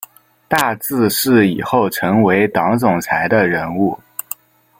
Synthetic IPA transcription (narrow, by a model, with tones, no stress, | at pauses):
t̪a˥˧t͡sɹ̩˥˧ʂɻ̩˥˩ḭ˨˩xo˥˩ʊʈ͡ʂʰɤ˧˥ŋwe˧˥ɪt̪ɑ˧˥ŋt͡sʊ˨˩ŋt͡sʰa˧˥ɪd̪ə˧ɻə˧˥nu˥˩